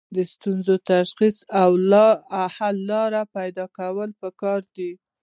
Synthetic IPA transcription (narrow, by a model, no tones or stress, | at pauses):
d̪əst̪unzot̪aʃxisawahalːɑɾapajd̪ɑkawəlpəkɑɾd̪i